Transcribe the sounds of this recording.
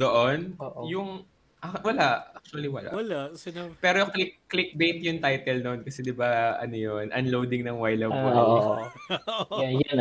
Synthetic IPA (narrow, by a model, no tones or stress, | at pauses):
d̪oʔonoːʔjʊŋ | ʔawɐlaʔʔak̚t͡ʃʊɐliwɐla̰wɐlaʔsɪnabpɛːɾojʊŋklɪk̚ːlɪk̚bejt̪jʊŋt̪ajt̪ɛlnonkɐsɛd̪ɪbaʔɐ̰nojonʔɐnlowd̪ɪŋnɐŋwajlɐb̚kooʔ | jn